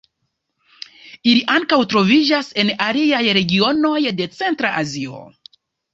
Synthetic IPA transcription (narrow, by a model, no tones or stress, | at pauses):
iliʔaŋkawtɾo̞vid͡ʒase̞naliajɾe̞ɡio̞no̞jde̞t͡se̞ntɾaʔazio̞̰